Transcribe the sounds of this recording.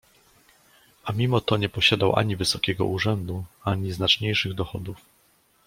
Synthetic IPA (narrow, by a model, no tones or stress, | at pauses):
amʲimɔt̪ɔɲɛpɔɕad̪awʔa̰ɲivɘsɔkʲɛɡɔ̰ʔuʐɛnd̪uaɲiznat͡ʂɲejʂɘɣd̪ɔxɔd̪uf